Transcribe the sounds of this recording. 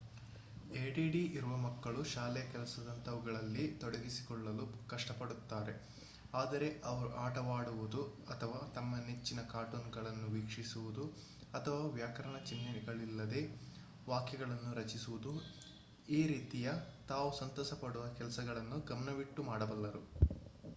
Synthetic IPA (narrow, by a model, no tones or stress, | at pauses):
eːɖiːɖiʔiɾuʋɐmɐkːɐɭuʃaːlɛjɐkɛlɐsɐd̪ɐnt̪ɐʋuɡɐɭɐlːit̪ɔɽɐɡisi̥kɔɭːɐlukɐʂʈɐpɐɽut̪ːaːɾe̞ | aːd̪ɐɾe̞ʔɐʋɐɾuʔaːʈɐʋaːɽuʋud̪uɐt̪ʰɐʋaːt̪ɐmːɐnet͡ʃːinɐkaːʈunɡɐɭɐnːuʋiːkʂisuʋud̪u | ɐt̪ʰɐʋaːʋjaːkɐɾɐɳɐt͡ʃinːɐniɡɐɭilːɐd̪e̞ | ʋaːkjɐɡɐɭɐnːuɾɐt͡ʃisuʋud̪u | iːɾiːt̪ijɐt̪aːʋusɐnt̪ɔːsɐpɐɽuʋɐkɛlɐsɐɡɐɭɐnːuɡɐmɐnɐʋiʈːumaːɽɐbɐlːɐɾu